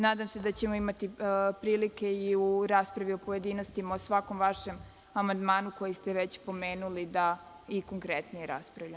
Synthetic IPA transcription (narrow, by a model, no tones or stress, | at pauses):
naːd̪amse̞d̪at͡ɕe̞mo̞imat̪ipɾiːlike̞iuɾaspɾaʋio̞poje̞d̪ino̞st̪imaosʋako̞mʋaʃe̞m | amand̪maːnuko̞jist̪eʋet͡ɕpo̞me̞ːnulid̪a | iko̞ŋkɾet̪nijeɾa̰spɾaʋʎam